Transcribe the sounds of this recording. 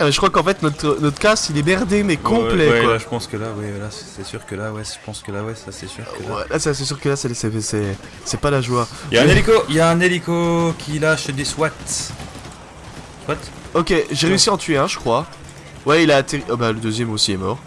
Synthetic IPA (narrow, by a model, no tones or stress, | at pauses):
mɛʒəkχwakɑ̃fɛt̪nɔt̪χənɔt̪χə̥kast̪ilɛmɛʁd̪emɛkɔ̃pplɛwɛkwalaʒəpɑ̃skəlawɛɛlassɛsyʁkəlawɛsə̥pɑ̃skəlawɛsasɛsy̰ʁkəwɛ̰lʔasasɛs̬yʁkəlasɛsɛsɛ | sɛpalaʒwajaɛ̃nelikoijaɛ̃nelikokʲʰilaʃd̪eswat̪ | swat̪ | ɔkʲeʒeʁeysiɑ̃t̪ɥeɛ̃ʒəkχwa | wɛilaːt̪eʁiabaləd̪øzjɛmosiɛmɔʁ